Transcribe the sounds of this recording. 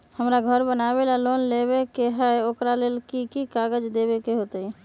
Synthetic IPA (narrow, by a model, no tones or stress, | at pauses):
həmɾaɡʱəɾbənabelalonleβekeɦɛokɾalelkikikaɡəd͡ʒd̪ebekeɦot̪ə